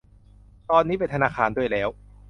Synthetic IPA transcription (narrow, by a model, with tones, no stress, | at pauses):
t̪ɔː˧nːiː˦˥pe˧nt̪ʰa˧naː˧˩kʰaː˧ndu˥˩əjlɛː˦˥w